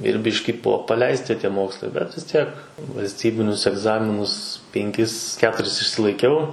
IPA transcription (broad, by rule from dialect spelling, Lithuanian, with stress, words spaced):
ɪr ˈbʲɪʃʲkʲɪ ˈbʊʋoː pɐˈlʲɛɪsʲtʲɪ ˈtʲiɛ ˈmoːkslˠɐɪ bʲɛt ʋʲɪs ˈtʲiɛk ʋɐlʲsʲˈtʲiːbʲɪnʲʊs ɛɡˈzɑːmʲɪnʊs pʲɛŋʲˈkʲɪs ˈkʲæːtʊrʲɪs ɪʃʲsʲɪlˠɐɪˈkʲɛʊ